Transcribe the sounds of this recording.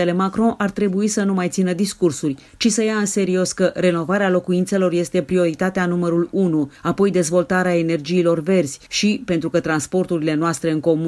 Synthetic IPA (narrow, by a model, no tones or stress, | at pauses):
ele̞makɾõʔart̪ɾe̞buisənumajt̪sinəd̪iskursurʲ | t͡ʃisəjaɨnse̞ɾio̞skəre̞no̞vaɾealo̞kuint̪se̞lo̞rje̞st̪e̞pɾio̞ɾit̪at̪eanuməɾulunuapo̞jd̪e̞zvo̞lt̪aɾeae̞ne̞rd͡ʒiːlo̞rve̞rz̥ʲʃipe̞nt̪ɾukət̪ɾanspo̞rt̪uɾile̞noast̪ɾe̞ɨŋko̞m